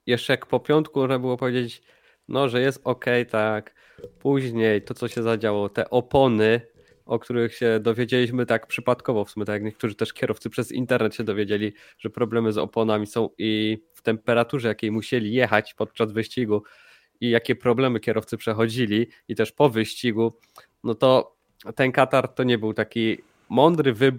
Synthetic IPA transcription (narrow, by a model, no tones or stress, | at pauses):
jɛʂt͡ʂɛjakpɔpʲjɔnt̪kumɔʐnabɘwɔpɔvʲjed͡ʑed͡ʑt͡ɕ | nɔʐɛjɛst̪ɔkɛjt̪ak | puʑɲejt̪ɔt̪sɔɕɛzad͡ʑawɔt̪ɛʔɔpɔnɘ | ɔkt̪uɾɘxɕɛd̪ɔvʲjed͡ʑelʲiɕmɘt̪akpʂɘpat̪kɔvɔfsumʲɛt̪ajakɲɛk̚t̪uʐɘt̪ɛʂkʲɛɾʔɔft̪sɘpʂɛzḭnt̪ɛɾnɛt̪ɕɛd̪ɔvʲjed͡ʑelʲi | ʐɛpɾɔblɛmɘzɔ̰pɔnamʲisɔ̃w̃ift̪ɛmpɛɾat̪uʐɛjakʲejmuɕelʲijɛxat͡ɕpɔt̪̚t͡ʂazvɘɕt͡ɕiɡu | ijakʲɛpɾɔblɛmɘkʲɛɾɔft̪sɘpʂɛxɔd͡ʑilʲi | it̪ɛʂpɔvɘɕt͡ɕiɡu | nɔt̪ɔ | t̪ɛnkat̪aɾt̪ɔɲɛbɘwt̪akʲi | mɔnd̪ɾɘvɘb